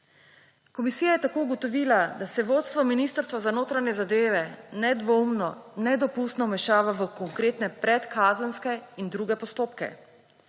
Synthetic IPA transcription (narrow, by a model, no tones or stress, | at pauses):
kɔmisiːjajɛt̪akoːuɡɔt̪ɔʋiːlad̪asɛʋoːt̪st̪ʋɔminist̪əɾst̪ʋazanoːt̪ɾanɛzad̪eːʋɛnɛd̪ʋoumnɔnɛd̪ɔpust̪nɔmɛʃaːʋaʋəkɔŋkɾeːt̪nɛpɾɛt̪kʰaːzənskɛind̪ɾuːɡɛpɔst̪oːpkɛ̰